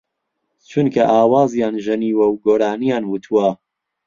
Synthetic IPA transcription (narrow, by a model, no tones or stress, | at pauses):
t͡ʃʰunkʰɐʔaːwaːzjaːnʒɨniːwɐwɡoːɾaːnijaːnwut̪ʰuwɐ